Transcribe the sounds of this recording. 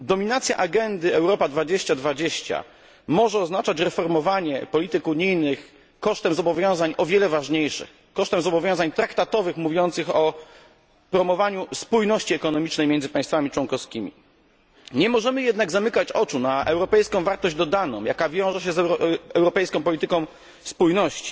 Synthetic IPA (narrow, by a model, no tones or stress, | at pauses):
d̪ɔmʲinat̪sʲja̰ʔaɡɛnd̪ɘɛwɾɔpad̪vad͡ʑeɕt͡ɕad̪vad͡ʑeɕt͡ɕa̰ | mɔʐɛɔznat͡ʂat͡ɕɾɛfɔɾmɔvaɲɛpɔlʲit̪ɘkuɲijnɘx | kɔʂt̪ɛmzɔbɔvʲjɔ̃w̃zaɲʔɔvʲjɛlɛvaʐɲejʂɘ̰x | kɔʂt̪ɛmzɔbɔvʲjɔ̃w̃zaɲt̪ɾakt̪at̪ɔvɘxmuvʲjɔnt̪sɘxɔ | pɾɔmɔvaɲuspujnɔɕt͡ɕiɛkɔnɔmʲit͡ʂnɛjmʲjɛnd̪zɘpaj̃st̪famʲit͡ʂwɔnkɔskʲimʲḭ | ɲɛmɔʐɛmɘjɛd̪naɡzamɘkat͡ɕɔt͡ʂunaʔɛwɾɔpɛjskɔ̃w̃vaɾt̪ɔʑd͡ʑd̪ɔd̪anɔ̰̃w̃jakavʲjɔ̃w̃ʐɛɕ̬ɛzɛwɾɔpɛjskɔ̃p̬ɔlʲit̪ɘkɔ̃w̃ | spujnɔɕt͡ɕi̥